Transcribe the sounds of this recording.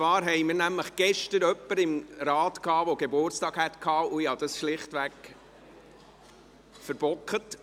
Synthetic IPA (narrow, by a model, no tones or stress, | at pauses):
t͡sʋɑːɾɦɛjmɪɾnæmləχɡ̥ɛʃtəɾœpːəɾɪmɾɑːtkʰɑːʋoɡ̥ebʊrtt͡stɑːɡ̥hɛt̪kʰhɑːʊihɑd̥̪ɑsʃlɪχtʋæk | fəɾb̥ɔkət